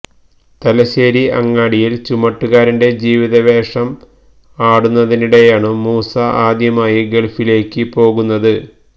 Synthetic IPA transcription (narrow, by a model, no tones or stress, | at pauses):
t̪ɐlɐɕe̞ːɾiɐŋːaːɽijilt͡ɕumɐʈːuɣaːɾinde̞d͡ʑiːʋiðɐʋe̞ːʂɐm | aːɽunːɐðiniɽe̞jaːɳɨmuːsaʔaːd̪jɐmaːjɐɡeɭfile̞ːkʲːɨpo̞ːɣunːɐðɨ